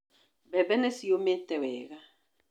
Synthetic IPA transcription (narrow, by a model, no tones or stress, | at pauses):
bɛbɛnɛsijometɛwɛ̰ːɣa